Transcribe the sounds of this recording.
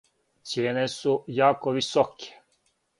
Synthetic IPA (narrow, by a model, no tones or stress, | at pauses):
t̪sjeːnesujaːkoʋisɔkʰe̥